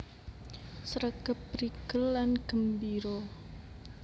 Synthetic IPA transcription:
səɾəɡ̥əpɾiɡ̥əlːanɡ̥ə̤mbiɾɔ

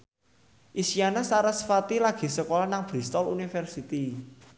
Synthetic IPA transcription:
ʔisianasaɾəsfat̪ilaɡ̥i̤səkolanaŋb̥ɾist̪ɔlunifɛrsit̪i

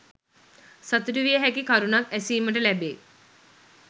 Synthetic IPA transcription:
sat̪uɾuʋijəɦækikaɾunakæsiːməʈ̬əlæbe

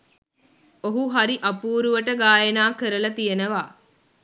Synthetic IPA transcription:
oɦuɦɐɾiʔɐpuːɾuʋəʈəɡaːjenaːkəɾəlɐt̪ijenɐʋaː

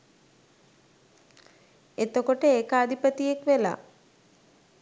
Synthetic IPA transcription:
et̪okoʈəeːkad̪ʱipət̪ijekʋela̰ː

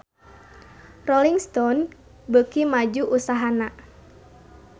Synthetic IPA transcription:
rɔliŋst̪ɔn | bəkimad͡ʒuʔusaɦana

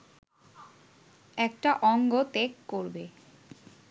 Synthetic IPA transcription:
ɛkʈaʔɔŋɡot̪ekːoɾbe

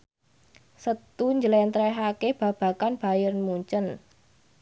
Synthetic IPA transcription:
sət̪uɲd͡ʒəlɛnt̪ɾɛɦakeb̥ä̤b̥ä̤kanb̥a̤jərmuɲt͡ʃən

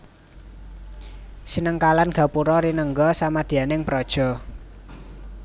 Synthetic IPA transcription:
sinəŋkalanɡ̥a̤puɾɔɾinəŋɡɔsamad̪̥i̤anɪŋpɾɔd̥ʒ̥ɔ̤

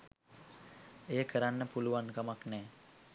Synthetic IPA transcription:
ejəkʰəɾanːəpuluʋankamaknɛː

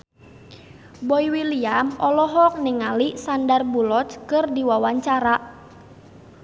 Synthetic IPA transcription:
bɔiwiliamɔlɔɦɔk̚niŋalisandarbulɔtkɨrdiwawaɲt͡ʃaɾaʔ

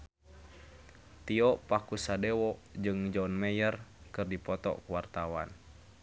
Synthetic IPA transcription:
t̪iɔʔpakusadewɔʔd͡ʒɨŋd͡ʒɔnmɛjərkɨrdipɔt̪ɔ̰kuwart̪awa̰n

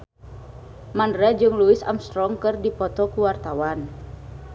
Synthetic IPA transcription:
mandɾɛd͡ʒɨŋluisa̰mst̪ɾɔŋkɨrdipɔt̪ɔkuwart̪awan

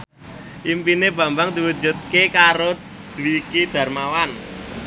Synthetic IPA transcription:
ʔimpineb̥ä̤mbaŋd̪iwu̥d͡ʒṳt̪̚kekaɾo | d̪̥uwikid̪̥ä̤rmawan

